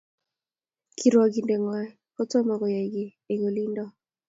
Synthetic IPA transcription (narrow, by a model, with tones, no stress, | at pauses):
kʰi˨ɾwɔ˨ɡi˨ndɛ˨ŋwa˨ | kɔ˦tɔ˦ma˨ɡɔ˨ja˨ɡi˨ | e˨ɡo˨li˦ndɔ˦